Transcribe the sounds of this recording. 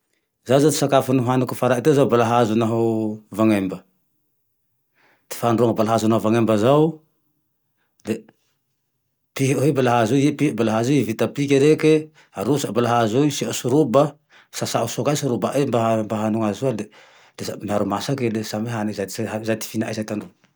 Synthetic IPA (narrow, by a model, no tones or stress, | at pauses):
zazat̪i̥sakafunuɦanukufaɾait̪ezawbalaɦazunaɦawvaŋembə | t̪i̥fanruaŋabalaɦazunauvaŋembəzaw | d̪e | piɦoɦebalaɦazujepibalaɦazuivit̪apikʲeɾeke | aɾusabalaɦazujsiasuɾuba | sasaʔusokaisuɾubaʔajmbaambaɦanuŋazuad̪e | d̥̪esamiaɾumasakelesameɦanizat̪aazat̪i̥finaʔa̰jsajt̪anru